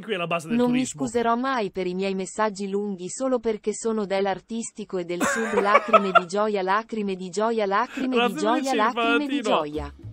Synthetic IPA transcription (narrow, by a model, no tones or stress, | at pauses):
kiɛlabazenommiskuzeɾɔmːajpeɾimjɛjmesːad͡ʒːiluŋɡisoːloperkesoːnod̪elːart̪ist̪ikoed̪ːelsud̪laːkɾimed̪id͡ʒɔːjalaːkɾimed̪id͡ʒɔːjalaːkɾimed̪id͡ʒɔjalaːɾimed̪id͡ʒɔja